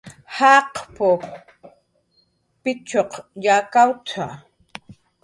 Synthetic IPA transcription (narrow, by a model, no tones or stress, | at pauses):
hɑqpʊ | pɪt͡ʃoqjakawt͡sʰa